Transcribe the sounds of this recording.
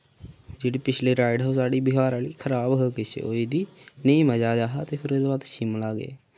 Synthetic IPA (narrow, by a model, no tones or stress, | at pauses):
d͡ʒeɽeːpɪt͡ʃʰleːɾaːɪɖɦosaːɖiːbɪɦaːɾaːliːkʰəɾaːbɦoːkɪsḛoːid̪iːneĩːməd͡ʒaːd͡ʒaːɦaːt̪eːpʰɪɾɪd̪bad̪ʃɪmlaːɡḛː